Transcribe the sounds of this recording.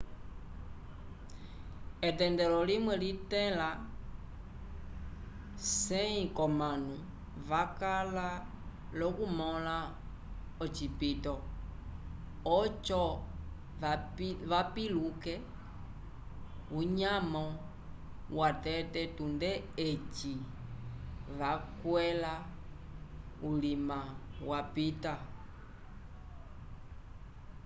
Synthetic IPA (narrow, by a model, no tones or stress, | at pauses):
ɛtɛndɛlɔlimwɛlitɛla | sɛĩkɔmanu | vakala | lɔkumɔla | ɔt͡ʃipitɔ | ɔt͡ʃɔ | ʋapilukɛ | uɲamɔ | watɛtɛtundɛ | et͡ʃi | βakwɛla | ulimawapita